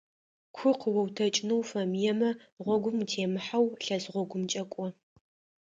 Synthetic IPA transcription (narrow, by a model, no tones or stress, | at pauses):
kʷʰʊqəwɐwtʰɐt͡ʃʼnɨwfɐmjɛmɐʁʷɔɡʷʊmtʰeːmɨħawɬɐzʁʷɔɡʷʊmt͡ʃʼɐkʷʼɔ